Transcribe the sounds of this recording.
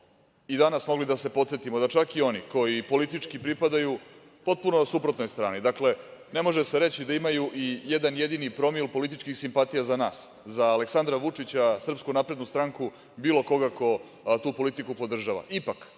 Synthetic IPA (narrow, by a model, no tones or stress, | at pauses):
id̪anasmo̞ɡlid̪ase̞po̞t̪se̞t̪imod̪at͡ʂakio̞niko̞jipo̞lit̪it͡ʂkipɾipad̪aju | po̞t̪̚punosupɾo̞t̪nojst̪ɾaːnid̪akle̞ne̞mo̞ʒe̞seɾe̞t͡ɕid̪aimajuʔijed̪anjed̪inipɾo̞milpo̞lit̪̬it͡ʃkixsimpat̪ijazanaːs | zaːleksand̪ɾaʋut͡ʂit͡ɕasr̩pskunapɾe̞d̪nust̪ɾaŋku | biːlo̞ko̞ɡako̞ | t̪uːpo̞lit̪ikupo̞d̪r̩ʒaʋa̰ʔipak